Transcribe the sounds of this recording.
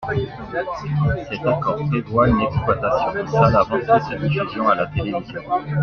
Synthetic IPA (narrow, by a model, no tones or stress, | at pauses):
sɛt̪akɔːʁpevwaynɛksplwat̪asjɔ̃salavɑ̃esad̪ifyzjɔ̃alat̪elevizjɔ̃